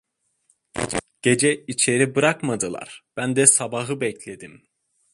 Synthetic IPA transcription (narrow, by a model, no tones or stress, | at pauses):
ɟ̥e̞d͡ʒɛit͡ʃʰe̞ɾibɯɾakmad̪ɯlˠa̰ɾ̥b̥ænd̪ɛsabaɦɯbɛclʲe̞d̪im